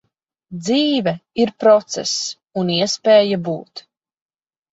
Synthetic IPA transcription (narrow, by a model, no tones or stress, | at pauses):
d̪ziːvɛiɾpɾɔt̪sɛ̰s | uniɛspeːjabṵːt̪